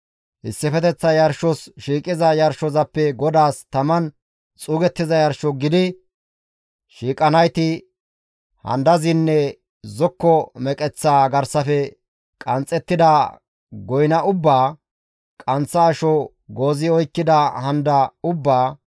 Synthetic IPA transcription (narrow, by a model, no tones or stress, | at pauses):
hɪ̰sːɪfɛt̪ɛt͡sːɐjɐɾʃɔsʃiːkʼɪzɐjɐɾʃɔzɐpːɛɡɔd̪aːst̪ɐmɐn | t͡sʼuːɡɛt̪ːɪzɐjɐɾʃɔɡɪd̪ɪ | ʃiːkʼɐnɐjt̪ɪ | hɐ̰nd̪ɐzɪnːɛ | zɔkːɔmɛkʼɛt͡sːaːɡɐɾsɐfɛ | kʼɐnt͡sʼɛt̪ːɪd̪ɐ | ɡɔjnɐʔʊbːaː | kʼɐnt͡sːɐːʃɔ | ɡoːzɪɔjkːɪd̪ɐhɐnd̪ɐʊbːaː